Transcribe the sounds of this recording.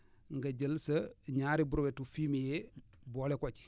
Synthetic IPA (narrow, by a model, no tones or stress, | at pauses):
ŋɡɐɟəlsɐɲaːɾibuɾwetufiːmije | bolekot͡ʃi̥